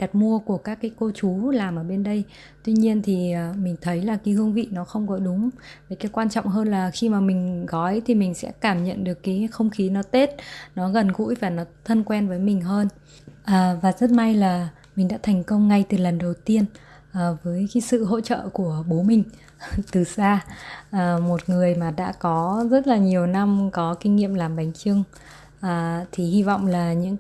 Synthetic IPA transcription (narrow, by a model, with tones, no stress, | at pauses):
ɗa˨˩t̚mu˧əku˧˩əkaː˦˥kːaː˨˦jko˧t͡ɕu˨˦laː˨˩mʔəː˧˩ɓe˧nɗə˧j | t̪wi˧ɲi˧ənt̪ʰi˨˩ə˨˩mï˨˩ŋ̟t̪ʰə˨˦jlaː˨˩kaː˨˦hɨ˧əŋvḭ˧˨nɔ˨˦xə˧wŋ͡mkɔ˨˦ɗʊ˨˦ŋ͡mvəː˨˩kaː˨˦jkwaː˧nt͡ɕɔ̰˧˨wŋ͡mɦəː˧nlaː˨˩xi˧maː˨˩mï˨˩ŋ̟ɣɔ˨˦jt̪ʰi˨˩mï˨˩ŋ̟sɛ̰˧˥kaː˧˩mɲə̰˧˨nɗɨ˨˩ə˩kːaː˨˦xə˧wŋ͡mxi˨˦nɔ˨˦t̪e˦˥t̚nɔ˨˦ɣə˨˩nɣṵ˧˥jvaː˨˩nɔ˨˦t̪ʰə˧nkwɛ˧nvəː˨˦jmï˨˩ŋ̟ɦəː˧n | ʔəː˨˩vaː˨˩zə˦˥t̚ma˧jlaː˨˩ | mï˨˩ŋ̟ɗa̰ː˧˥t̪ʰɛ˨˩jŋ̟kə˧wŋ͡mŋa˧jt̪ɨ˨˩lə˨˩nɗə˨˩wt̪i˧ən | ʔːvəː˨˦jka˨˦jsɨ̰˧˨ɦo̰˧˥t͡ɕə̰ː˧˨ku˧˩əɓo˨˦mï˨˩ŋ̟ | t̪ɨ˨˩saː˧ʔəː˨˩mo˨˩t̚ŋɨ˨˩əjmaː˨˩ɗa̰ː˧˥kɔ˨˦zə˦˥t̚laː˨˩ɲi˨˩əwna˧mkɔ˨˦kï˧ŋ̟ŋḭ˧˨əmlaː˨˩mɓa˨˦jŋ̟t͡ɕɨ˧əŋ | ʔəː˨˩t̪ʰi˨˩hi˧vɔ̰˧˨wŋ͡mlaː˨˩ɲɨ̰˧˥ŋ